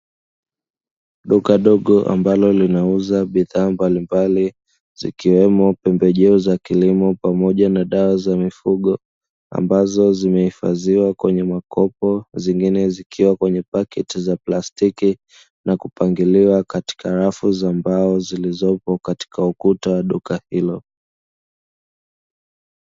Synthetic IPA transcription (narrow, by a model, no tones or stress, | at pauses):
ɗukaɗɔɠɔʔa̰mbalɔlinauzaɓiðaːmbalimbali | zḭkiwɛmɔpɛmbɛʄɛuzakilimɔpamɔʄanaɗawazamifuɠɔ | a̰mbazɔzimɛhifa̰ziwakwɛɲɛmakʰɔpɔziŋɡinɛzikʰiwakwɛɲɛpakɛtizaplastiki | nakupaŋɡiliwakati̥kaɾafuzambaɔzilizɔpɔkati̥kaukutawaɗukahilɔ